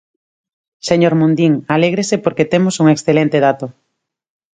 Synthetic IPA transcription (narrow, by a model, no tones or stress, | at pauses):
seɲoɾmũnd̪iŋaleɣ̞ɾesepoɾket̪emosuŋeksθelent̪eðat̪o